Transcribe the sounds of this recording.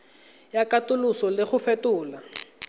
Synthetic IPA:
jakatulusɔlɪxufɛtuːla

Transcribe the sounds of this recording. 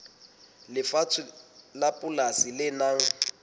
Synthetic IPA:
lɪfat͡sʰʊlapʼʊlasilɪnaŋ̩

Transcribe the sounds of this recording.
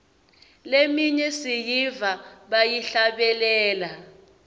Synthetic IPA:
lemiɲɛsijivaɓajiɬaɓɛlɛːla

